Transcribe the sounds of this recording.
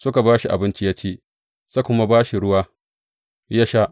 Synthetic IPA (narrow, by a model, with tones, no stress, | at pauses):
sʊ˦ka˨baː˦ʃi˨ʔa̰˨bɪ˦nt͡ʃi˦jaː˦t͡ʃeː˦ | sa˦kʷʊ˦ma˦baː˦ʃi˨ɽʊ˦waː˦ | ja˦ʃa˦ʔ